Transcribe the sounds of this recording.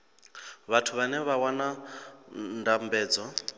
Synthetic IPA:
βatʰuβanɛβawana | ndambɛːd͡zɔ

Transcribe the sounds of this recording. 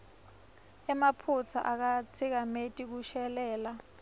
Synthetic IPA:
ɛmapʰut͡sʰa̰ʔak̬at͡sʰik̬ametʼik̬uʃɛlɛːla

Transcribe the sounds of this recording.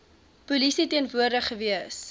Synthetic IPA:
pulisitiənvuərdəχəviəs

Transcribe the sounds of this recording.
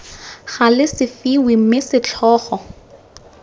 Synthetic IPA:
χalɪsɪfiwim̩mɪsɪt͡ɬʰɔːχɔ

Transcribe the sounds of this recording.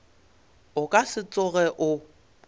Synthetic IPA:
ʊkʼasɪt͡sʼʊɣɛʔʊ

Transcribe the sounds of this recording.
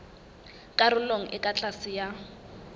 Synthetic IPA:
kʼaɾʊloŋ̩ʔɪkʼat͡ɬʼasɪja

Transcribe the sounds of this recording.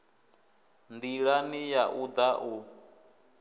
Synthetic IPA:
nd̪iɺanijaʔud̪aʔu

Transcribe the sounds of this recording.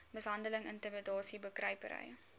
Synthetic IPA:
məsɦɐndələŋəntəmədɑːsibəkrɐjpəɾə̰j

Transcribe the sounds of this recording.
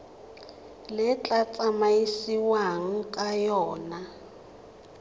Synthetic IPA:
lɪt͡ɬʼat͡sʼamajisiwaŋ̩kʼajɔːna

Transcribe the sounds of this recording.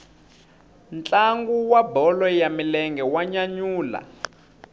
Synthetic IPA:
nt͡ɬaŋɡuwabɔlɔjamilɛŋɡɛwaɲaɲuːla̰

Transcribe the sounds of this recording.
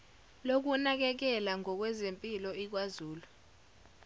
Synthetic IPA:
lok̬unak̬ɛk̬ɛlaŋɔk̬wɛzempʼilɔik̬wazuːlu

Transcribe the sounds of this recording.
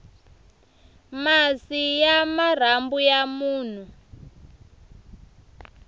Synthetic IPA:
masijamar̤ambujamuːn̤u

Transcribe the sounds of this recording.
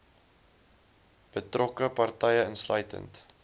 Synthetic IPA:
b̥ətrʔɔkəpɐrtɛjəənslœɥtə̰nt

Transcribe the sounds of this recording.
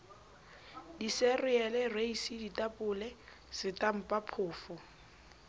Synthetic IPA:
disɛrɪɛlɛreisiditʼapʼʊlɛ | sɪtʼam̩pʼapʰʊːfɔ

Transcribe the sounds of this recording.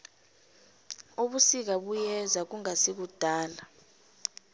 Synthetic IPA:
uɓusik̬aɓujɛzak̬uŋasik̬ud̥ʱaːla

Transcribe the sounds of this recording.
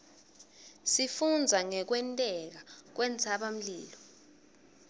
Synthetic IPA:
sifund͡zʱaŋɛk̬wɛntʼɛk̬ak̬wɛnt͡sʰaɓam̩liːlɔ

